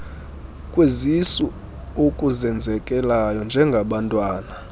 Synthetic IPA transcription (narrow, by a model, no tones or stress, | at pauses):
kʼwezisu | okʼuzɛnd͡zʱɛkʼɛlajɔnd͡ʒʱɛŋɡʱaɓantʼwaːna